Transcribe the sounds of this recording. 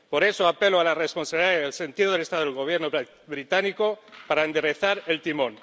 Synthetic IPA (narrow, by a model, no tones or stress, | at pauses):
po̞ɾe̞soape̞loalaresponsaβiliðaeðelse̞nt̪iðoðelest̪aðelɣo̞β̞jeɾno | βɾit̪anikopaɾaend̪eɾeθaɾe̞lt̪imõn